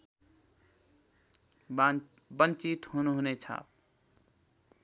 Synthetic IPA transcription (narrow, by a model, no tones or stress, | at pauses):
bənt͡ʃit̪ɦonuɦonet͡ʃʰa̰